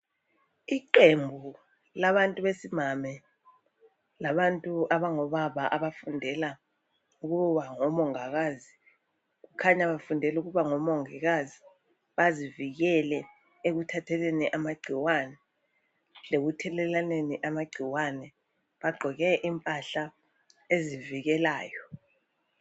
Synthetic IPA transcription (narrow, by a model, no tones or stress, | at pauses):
iǃembʱu | laβantʼuβesimamɛ | laβantʼuaβaŋɔβaβaʔaβafundʱɛla | uɣ̬uβaŋɔmɔŋaɣazi | ɣ̬ukʰaɲaβafundʱɛluɣuβaŋɔmɔŋiɣazi | βaziviɣɛlɛ | eɣutʰatʰɛleniʔamaɡ͡ǀʱiwanɛ | leɣutʰɛlɛlaneniʔamaɡ͡ǀʱiwanɛ | βaɡ͡ǃʱɔɣɛʔimpʼaɬa | eziviɣɛlaːjɔ